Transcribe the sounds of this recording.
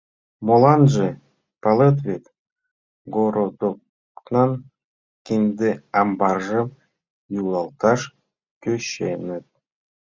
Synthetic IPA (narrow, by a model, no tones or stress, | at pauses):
molˠɑnʒe | pɑlˠɤt̪̬βet̪ | ɡoɾod̪ok | nɑn | kʲinʲd̪eɑmbɑrʒɤm | julˠɑlˠt̪ɑʃ | kʲøɕenɘ̆t̪̚